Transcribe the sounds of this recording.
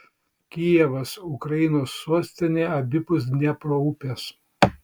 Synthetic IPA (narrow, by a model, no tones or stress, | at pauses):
kʲijɛʋɐsʊkɾɐɪnoːsːuɔsʲt̪ʲɪnʲeːɐbʲɪpʊs̬nʲɛpɾoupʲɛs